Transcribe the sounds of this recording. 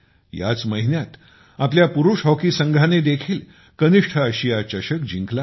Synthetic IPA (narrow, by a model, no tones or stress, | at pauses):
ja̰t͡sməɦinjat̪ | apljapuɾuʂɦɔkisəŋɡʱaned̪ekʰiːl | kəniʂʈʰəəɕijat͡ɕəɕəkd͡ʑĩŋkla